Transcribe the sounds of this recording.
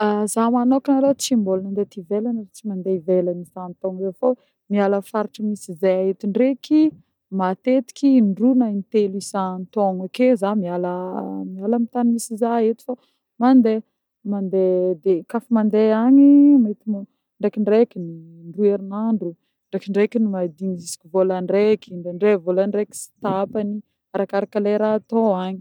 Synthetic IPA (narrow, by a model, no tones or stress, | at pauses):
azamanokanalot͡simbolanand̪et̪ivelanət͡simand̪eivelənizant̪oŋzefo | mialəfaɾiʈ͡ʂəmisizajaɦet̪iɳɖ͡ʐeki | mat̪et̪i̥kʲiɳɖ͡ʐunaint̪elisant̪oŋekezamialəmialəmit̪animisizaɦet̪i̥fa | mand̪e | mand̪ed̪ekafimand̪eaɲimait̪im | ɳɖ͡ʐekiɳɖ͡ʐekini | ɳrueɾinaɳɖ͡ʐu | ɳɖ͡ʐekiɳɖ͡ʐekinimad̪inizisi̥kʲivolaɳɖ͡ʐekiɳd̪eɳɖ͡ʐevolaɳɖ͡ʐeki̥si̥t̪apani | aɾakaɾakaleɾaːt̪oaɲi̥